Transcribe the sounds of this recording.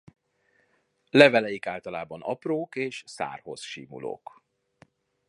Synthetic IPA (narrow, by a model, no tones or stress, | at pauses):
lɛvɛlɛjikaːlt̪ɒlaːbɒnɒ̰proːkeːʃsa̰ːrho̞̰sʃḭːmṵlo̰ːk